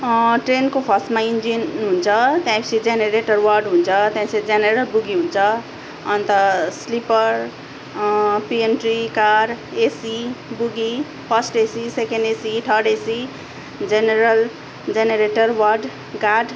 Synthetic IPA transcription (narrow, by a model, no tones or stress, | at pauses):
ʈrenkopʰʌsʈmaind͡zinɦunt͡sʰʌt̪jãjpʰʌ̥t͡sʰid͡zeneɾeʈʌrwʌrɖɦunt͡sʰʌt̪jãsed͡zeneɾʌlbuɡiɦunt͡sʰʌː | nt̪ʌslipʌr | pienʈrikaɾesibuɡi | pʰʌsʈesisekenɖesiʈʰʌɽesi | d͡zeneɾʌl | d͡zeneɾeʈʌrwʌrɖ | ɡaɖ